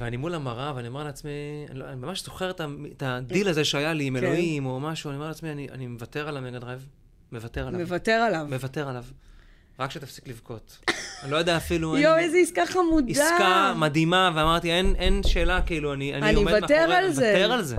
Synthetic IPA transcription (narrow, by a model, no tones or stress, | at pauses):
veanimulamaʁavaniome̞ʁleat͡smia̰niloanimamaʃz̥o̞χeʁet̪aetad̪ilazeʃeajaliːmelo̞imo̞maʃuaniomeleat͡smianiʔa̰nimevate̞ʁalavmeɡad̪ʁaev | mevat̪eʁalamevat̪eʁalavmevateʁalav | ʁakʃet̪afsi̥klivko̞t̪ | anilo̞jad̪eaːfilujoejzeiskaχamudiakamadimaveamaʁt̪ienʔenʃe̞ːlakiiluanianinomevateʁalzvaeteʁalze